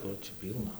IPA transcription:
ˈkʊr ˈt͡ʃʲɛ ˈpʲiːlˠnɐ

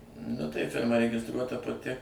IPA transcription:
nʊ tɐɪ ˈfʲɪrmɐ rʲɛɡʲɪsˈtruɔtɐ pɐˈtʲɪ

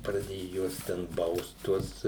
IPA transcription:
prɐˈdʲeːjʊ ˈjuɔs tʲɛn ˈbɐʊst ˈtuɔs

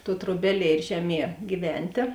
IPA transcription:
tuɔ truɔˈbʲæːˌlʲiɛ ɪr ˈʒʲæːˌmʲiɛ ɡʲɪˈʋʲɛnʲtʲeː

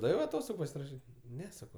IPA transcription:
ˈdɑːʋʲɛʊ ɐˈtoːstoːɡʊ pɐsʲɪrɐˈʃʲiːtʲ ˈnʲɛ ˈsɑːkoː

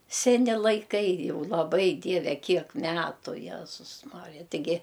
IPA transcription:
sʲɛˈnʲɪ lˠɐɪˈkɐɪ ˈjɛʊ lˠɐˈbɐɪ ˈdʲiɛʋʲɛ ˈkʲiɛk ˈmʲæːtʊ ˈjæːzʊs ˈmɑːrʲɪjɛ tʲɪˈɡʲɪ

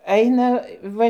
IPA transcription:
ˈɐɪnɐ ˈʋɐ

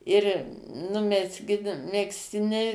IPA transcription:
ɪr nʊ mʲɛzʲˈɡʲɪn mʲɛksʲˈtʲɪnʲɛɪ

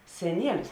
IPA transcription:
sʲɛˈnʲiɛlʲɪs

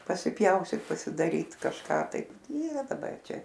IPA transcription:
pɐsʲɪˈpʲjɛʊsʲtʲiːt pɐsʲɪdɐˈrʲiːt kɐʃˈkɑː tɐɪp ˈiːrɐ dɐˈbɐr ˈt͡ʃʲɛ

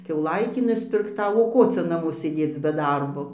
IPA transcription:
kʲɛʊˈlˠɐɪtʲiː nʊsʲpʲɪrkˈtɐʊ oː ˈkoː t͡sʲɛ nɐˈmoː sʲeːˈdʲeːt͡s bʲɛ ˈdɐrboː

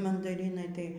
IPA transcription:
mɐndɐˈrʲɪnɐɪ tɐɪ

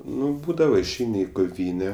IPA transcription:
ˈnʊ ˈbuːdɐʋɐ ɪʃʲˈɛɪnʲɪ ɪ koːˈʋʲiːnʲɛ

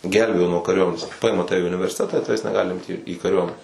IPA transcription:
ˈɡʲɛlʲbʲeːjoː nuɔ kɐrʲuɔˈmʲæːnʲeːs ˈpɐɪmɐ ˈtɑːʋʲɛ ɪ ʊnʲɪʋʲɛrʲsʲɪˈtʲæːtɑː ɪ ˈtɑːʋʲɛs nʲɛˈɡɑːlʲɪ ˈɪmʲtʲɪ iː kɐˈrʲuɔmʲɛnʲɛ

